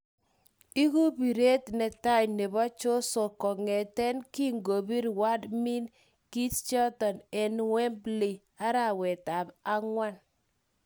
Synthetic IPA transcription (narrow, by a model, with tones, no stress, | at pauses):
i˦ku˦bi˨ɾe˦tnɛ˨ta˦jne˨bɔ˦t͡ʃo˦sɔ˨kɔ˨ŋɛ˨tɛ˦nki˦ŋɡo˨bi˦ɾwa˦dmi˦n | ki˦tt͡ʃɔ˦tɔ˨nɛ˨n˦wɛ˦mbli˨ | a˦ɾa˨wɛ˨ta˨ba˦ŋwa˦n